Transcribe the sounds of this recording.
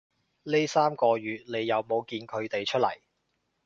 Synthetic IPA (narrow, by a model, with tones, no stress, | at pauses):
ne˥saː˥mkɔː˧jyː˨t̚ne˨˧jːɐ˨˧wmo˨˧wkiː˧nkʰɵ˨˧ɥt̪e˨jt͡ʃʰɵ˥t̚lɐ̰˨˩j